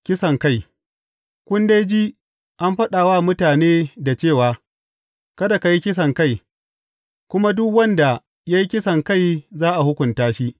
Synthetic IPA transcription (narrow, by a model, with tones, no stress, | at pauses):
kʲɪ˦sɐ˨ŋka˦˨j | kʷʊ˦nde˦jd͡ʒi˦ | ʔa˦mɸɐ˦ɗaː˨waː˦˨mʊ˦taː˨neː˦da˨t͡ʃeː˦˨waː˨ | kɐ˦da˨ka˨ji˦kʲɪ˦s̬ɐ˨ŋka˦˨j | kʷʊ˦ma˦dʊ˦kwɐ˦nda˨ | ja˦ji˦kʲɪ˦sɐ˨ŋka˦˨jzaː˦ʔa˨hʊ˦kʷʊ˨ntaː˦ʃi˦ʔ